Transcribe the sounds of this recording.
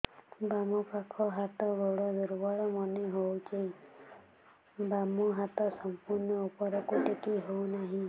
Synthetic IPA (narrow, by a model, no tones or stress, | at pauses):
bamɔpakʰɔɦat̪ɔbɔɽɔd̪oɾubaɭɔmɔneɦowt͡ʃʰej | bamɔɦat̪ɔsɔmpuɾnɔupɔɾɔkuʈekiɦownaɦĩ